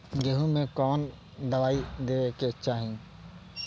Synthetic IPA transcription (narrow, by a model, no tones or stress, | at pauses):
ɡeɦũmẽkɔːn | d̪ɐʋaːid̪eːket͡ʃaːɦĩ